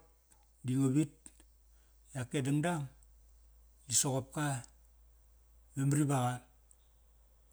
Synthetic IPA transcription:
diŋoβit̚ | jakːedaŋdaŋ | isoɣop̚ka | bemɾibaɣal

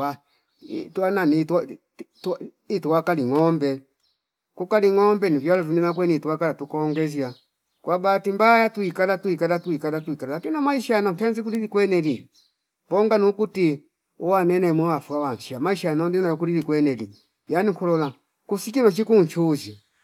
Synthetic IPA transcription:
a | tuananit | t | ituwakaliŋɔmbɛ | kukaliŋɔmbɛnivjalɔvuninak̬wɛnituwakalatukɔŋɡɛzja | kwʔabatimbajatuikalatuikalatuikalatuikalalakinamaiʃanan̩tɛanzik̬uɾiɾikwɛnɛli | mbɔŋɡanukuti | uwanɛnɛmɔwafuawan̩ʃiamaiʃaanɔndinajɔk̬uɾiɾikwɛnɛli | janikulɔla | kusikinɔt͡ʃikunt͡ʃuza

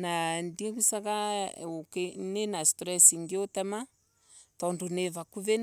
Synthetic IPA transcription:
nandiakusakaokenenastɾɛsiŋɡeotɛma | t̪ɔndunevakuven

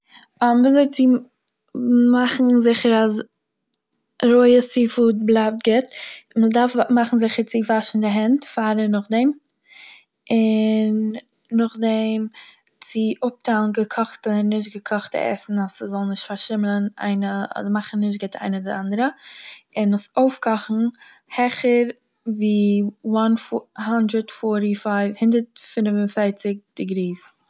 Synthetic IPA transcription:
ɔmviːzoɪt͡sɪ | maχn̩zɪχəɾas | ɾoɪəsiːfuːt̚blˠap̚tɡɪtmədaɾfmaχn̩zɪχəɾt͡sɪvaʃn̩dɪɦɛntfaːɾənʊχdɛm | ɪnː | ʊχdɛm | t͡sɪʔʊp̚tʰalˠn̩ɡəkʰɔχtənːɪʃ̬tɡəkʰɔχtə̰ɛ̰sn̩asəzɔlˠnɪʃtfaɾʃɪmlˠəna̰ɪnəɔ̰dəɾmaχn̩nɪʃ̬tɡɪtʰa̰ɪnədɪʔandəɾəɪnʊsoʊfkʰɔχn̩ | hɛχəɾ | viːwanfhandɾətfɔɾɾifaɪvhɪndəɾtfɪnvʊnfɛɾt͡sɪk̚d̥ɪɡɾiːs

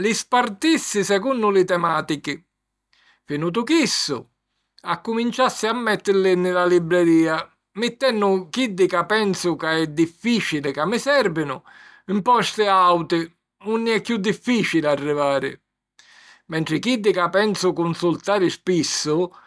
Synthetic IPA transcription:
lɪspart̪isːɪsɛkunːʊlɪt̪ɛmaːt̪ikɪ | finuːt̪̬ʊkisːʊ̰ | akːʊmint͡ʃasːɪamːɛt̪ːɪɾlɪnɪlalibɾɛɾiːa | mɪt̪ːɛnːʊk̟id̪ːɪkapːɛnsʊkaɛd̪ːifːiːt͡ʃilɪkamːɪsɛɾvɪnʊ̰ | ɪmpɔst̪ɪawt̪ɪ | unːɪɛkːjud̪ːifːiːt͡ʃilɪarːivaːɾɪ̰ | mɛnʈ̪ɾɪkid̪ːɪkapːɛnsʊkunsult̪aːɾɪspisːʊ

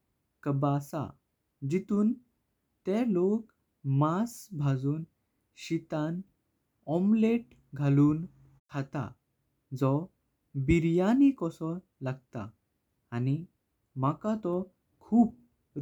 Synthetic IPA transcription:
kəbasa̰ | d͡ʑit̪uːn | t̪ɛlok | masbʱad͡zuːn | ɕit̪an | ɔmleʈ | ɡʱaluːn | kʰat̪a̰ | d͡zɔ | biɾjanikɔsɔ | laɡ̚t̪a̰ː | ni | makat̪ɔ | kʰuːp̚

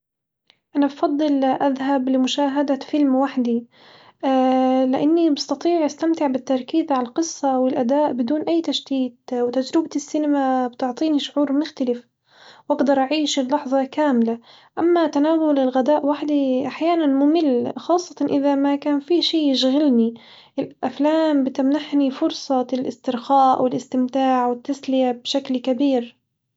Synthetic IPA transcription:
ʔanabfɑd̪ˤːɨlʔaðɦablɪmʊʃaːɦad̪afɪlmwaħd̪i | lɪʔanːibɑst̪ɑt̪ˤiːʕʔast̪amt̪ɪʕbɪt̪ːɑɾˤkiːzʕalalqɨsˤːɑwɪlʔad̪aːʔbɪd̪uːnʔajːt̪aʃt̪iːt̪̚wt̪ad͡ʒɾɪbt̪ɪsːinamabt̪ʊʕt̪ˤiːniʃʊʕuːɾmʊxt̪alɪf | wʔɑɡd̪ɑɾˤʔaʕiːʃɪlːɑħðˤɑkaːmɪla | ʔamːat̪anaːɣʊlɪlɣad̪aːʔwaħd̪iʔaħjaːnanmʊmɪlːxɑːsˤːɑ̥t̪ɑʔɪðamakaːnfiʃiːjɪʃɣalni | ʔɪlʔaflaːmbɪt̪amnaħnifʊɾsˤɑlʔɪst̪ɪɾxaːʔwɪlʔɪst̪ɪmt̪aːʕwɪt̪ːaslɪjabʃaklkabiːɾ

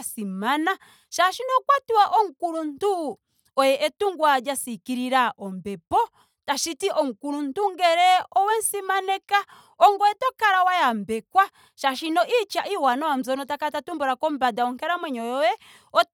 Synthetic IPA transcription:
simana | ʃaʃinɔkwatuwaʔɔŋ̩kuɾun̩tu | ɔjɛʔɛtuŋɡwad͡ʒasikiɾiɾaʔɔmbɛpɔ | taʃitiʔɔŋ̩kuɾuntuŋɡɛɾɛɔwɛnsimanɛka | ɔŋɡɔjɛtɔkaɾawajambɛkwa | ʃaʃinɔʔit͡ʃaʔiwanɔwam̩zɔnɔtakatatumbɔɾakɔm̩badaɔŋkɛɾamwɛɲɔjɔjɛ | ɔ

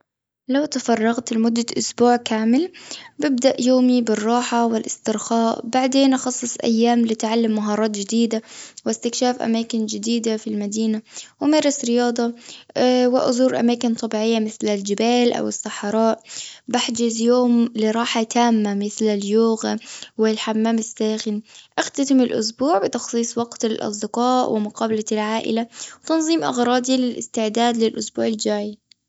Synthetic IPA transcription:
lawt̪afɑrˤːɑɣt̪mʊd̪ːaʔʊsbuːʕkaːmɪlbɪb̚d̪aʔjoːmibɪrˤːɑːħawɪlʔɪst̪ɪɾxɑːʔbaʕd̪eːnʔɑxɑsˤːɨsˤʔa̰jːaːmlɪt̪ʕalːamːaɦɑːɾˤɑːt̪d͡ʒɪd̪iːd̪awɪst̪ɪkʃaːfʔa̰maːkɪnd͡ʒɪd̪iːd̪afilmad̪iːnawɪmɑːɾˤɪsɾɪjɑːd̪ˤɑ | wɪʔʊ̰zuːɾʔa̰maːkɪnt̪ˤɑbiːʕɪjːamɪθlald͡ʒɪbaːlʔa̰wɪsːaħɾˤɑːʔbaħd͡ʒɪzjoːmlɪɾˤɑːħat̪ʰaːmːamɪθlaljuːɣwɪlħamːaːmɪsːaːxɪnʔɪxt̪at̪ɪmɪlʔʊ̰s̬buːʕbɪt̪ɑxsˤiːsˤwɑɡt̪alʔɑ̰sˤd̪ɪqɑːʔwɪmʊqɑːbalalʕaːʔɪ̰lawt̪ɑnzˤiːmʔɑ̰ɣɾˤɑːd̪ilɪlʔɪ̰st̪ɪʕd̪aːd̪lɪlʔʊsbuːʕɪld͡ʒaːʕi

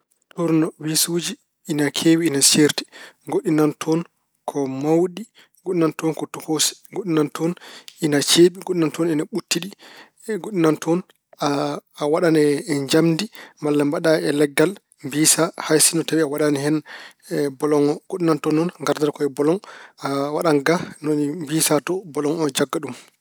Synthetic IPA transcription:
tɔɾnɔwisud͡ʒi | ʔːnakʰewiːnaseɾti̥ɡoɗinantʰɔn | kʰɔmawɗi | ɡoɗinantɔnkɔtɔhosi̥ɡoɗinantʰɔnʔinat͡ʃeːɓiɡoɗinantɔninaɓutːiɗi | ɡoɗːinantʰɔn | waɗanɛɛɲd͡ʒamdimalːambaɗaɛlɛɡːal | mbiːsahajsinɔtawiawaɗanɛhɛn | bɔlɔŋɔɡoɗːinantɔnːɔnŋɡaɾdaɾkɔɛbɔlɔŋawaɗaŋɡanɔnmbiːsatɔbɔlɔŋɔd͡ʒaɡːaɗum

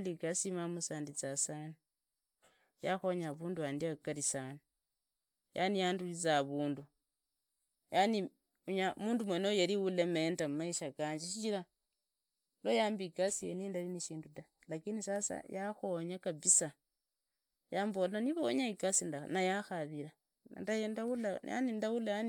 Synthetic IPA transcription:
likasimamusaːndit͡sasani | jaxo̞ɲaβuːnduaːndiakalisani | jʔa̰nijaːndulit͡saβuːndu | jani | uɲamuːndumwenojaliwulementamumaiʃakaːɲd͡ʒeʃit͡ʃiɾa | lojaːmbikasijḛnindaliniʃiːnduda | lakinisasa̰jaxo̞ɲakaβisa | jaːmbolaniβooɲaikasindanajaxaβiɾa̰ | ndajendaula̰ja̰nindawulajani

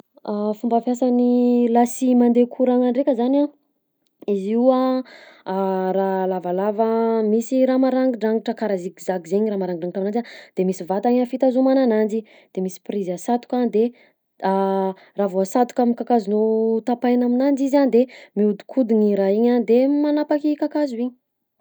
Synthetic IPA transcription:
afumbafjasanilasimand̪ekʰuɾaŋaɳɖ͡ʐekʲəzana | izia | ralavalavəmisiɾamaɾaŋɡiɳɖ͡ʐaŋɡiʈ͡ʂəkaɾazikizakizeɲɾamaɾaŋɡɖ͡ʐaŋiʈ͡ʂamnand͡ʒad̪̥emisivat̪aɲafit̪azumananand͡ʒi | d̪̥emisi̥prizasat̪u̥kʲad̪e | a | ravoasat̪ukamikakazunot̪apajnaminand͡ʒiziand̪emiud̪u̥kʰud̪iɲiɾaiɲand̪emanapakikakazuiɲi̥

